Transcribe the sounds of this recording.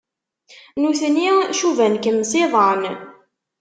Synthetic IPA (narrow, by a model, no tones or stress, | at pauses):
nuθəniʃuvænkəmsɪðˤən